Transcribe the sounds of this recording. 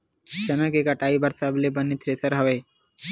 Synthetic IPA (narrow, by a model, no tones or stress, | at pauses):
t͡ʃɐnəkekɐʈaːibɐɾsabɪlebɐnit̪ʰɾeːt̪ʰəɾɦɐʋeː